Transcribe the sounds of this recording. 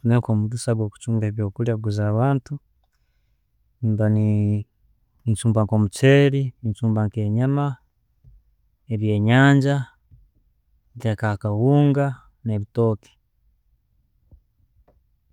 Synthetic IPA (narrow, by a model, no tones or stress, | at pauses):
unekoːmudusaβwoːku̥t͡ʃuːŋɡeːβjo̞ːkuljaɡuzaːβaːntu | nbani | iɲt͡ʃuːmbaŋkomut͡ʃeːɾiiɲt͡ʃuːmbaŋke̞ːɲama | eβje̞ːɲaːɲɟa | tekakawuːŋɡa | neβito̞ːki̥